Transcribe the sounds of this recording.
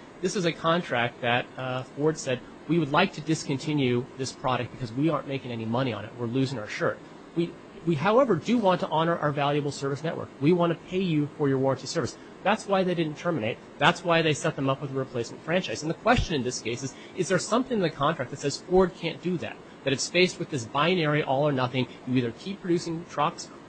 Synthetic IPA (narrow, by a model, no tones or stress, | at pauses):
ðɪswʌzɨkʰɑ̃ntʰɹ̥æk̚t̪̚ðɨt̚fɔɹd̥sɛd̚ | wiwədˡlaɪk̚tʰɨdɨskɨ̃ntʰɪ̃njʉðɪspʰɹ̥ɑɾɨk̚b̥ɨkʰʌzwiɑɹnmeɪkɪ̃ŋɛnimʌɾ̃iə̰̃nɨ̰t̚wɪɹlʉzɪ̃ŋaə˞ʃɜ˞t̚ | wi | wiɦaʊɛvə˞dɨwɑ̃ntʰəʔɑnə˞ʔa̰ə˞vælˠjɨbl̩ˠsɜ˞vɨsnɛ̰ʔwə̰˞kwiwɑ̃ntɨpʰeɪjɨfə˞jə˞wɔɹə̃ntʰisɜ˞vɨs | ðætswaɪðeɪɾɪdⁿn̩tʰɜ˞mɨneɪt̪̚ | ðætswaɪðeɪsɛt̪̚ðə̃mʌpwəðəɹɨpʰl̥eɪsmntfɹæ̃nt͡ʃaɪzn̩ðəkʰw̥ɛst͡ʃɨ̃nɨ̃nðɪskʰeɪsɨz | ɨzðə˞sʌ̃mθɪ̃ŋðɨkʰɑ̃ntɹ̥æk̚ðɨtsɛz̥fɔɹd̚kʰæ̃nd̥ɨðæ̰t̪̚ | ðɨɾɨfsfeɪst̚wɨðɪs̬b̥aɪɨ̃nɛɹiʔɔlˠə˞nʌθɪ̃ŋ | iðə˞kʰipʰɹ̥ɨdʉsɪ̃ŋtʰɹ̥ʌks